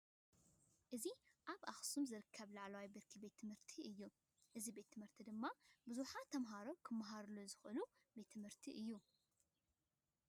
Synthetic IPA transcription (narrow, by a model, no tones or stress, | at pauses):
ʔɨziʔaβʔaxsumzɨɾɨkʰːɐβlaʕlawaibiɾkʰibe̞t̪ʰːɨmhɨɾt̪ʰiɨjːu | ʔɨzibe̞t̪ːʰɨmhɨɾt̪ʰid̪ɨmːabɨzuħat̪ʰɐmɦaɾo̞kʰɨmːaɦaɾlozɨxʔɨlu | be̞t̪ʰːɨmhɨɾt̪ʰiʔɨjːu